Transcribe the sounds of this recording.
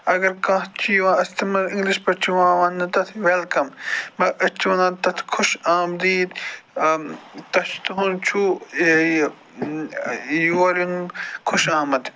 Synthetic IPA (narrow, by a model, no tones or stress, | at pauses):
ɐɡɐɾkãːt͡ʃʰijuãːɐst̪ʰɐmɐɾɪ̃ŋɡliʃpɐt͡ʃʰuʋãːʋɐnːɨt̪ɐt̪ʰʋelkɐmːɐʔɐt͡ʃʰiɐnãːt̪ɐt̪ʰkʰʊʃaːmd̪iːd̪ | t̪ɐt͡ʃʰt̪uɦunt͡ʃʰu | juɐɾunkʰʊʃaːmɐt̪